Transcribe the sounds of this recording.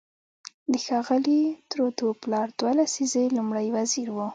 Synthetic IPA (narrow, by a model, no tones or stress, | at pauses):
d̪əxɑɣəlit̪ɾod̪oplɑɾd̪̥walasizelumɽajwaziɾwu